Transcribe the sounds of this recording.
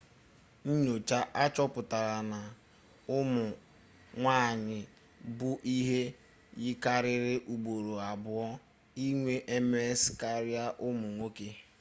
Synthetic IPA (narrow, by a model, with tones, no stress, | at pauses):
n̩˦ɲo˨t͡ʃa˦ʔa˦t͡ʃɔ˦pʊ˨ta˨ɾa˨na˨ | ʊ˦mʊ˨ | ŋʷaː˦˨ɲɪ˨ | bʊ˦ʔi˦ɦe˦ | ɣɪ˦ka˦ɾɪ˦ɾɪ˦ʔu˨ɡ͡bo˨ɾo˨a˨bʊ˦ɔ˦ | i˦ŋʷe˦ʔe˦m˦e˦ska˦ɾɪ˦a˦ʔʊ˦mʊ˨ŋʷo˦ke˦